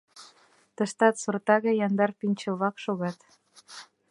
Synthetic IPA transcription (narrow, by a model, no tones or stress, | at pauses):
t̪ə̆ʃt̪ɑt̪surt̪ɑɣɤjɑnd̪ɑrpinʲt͡ɕɤ̆βɑkʃoɣɑt̪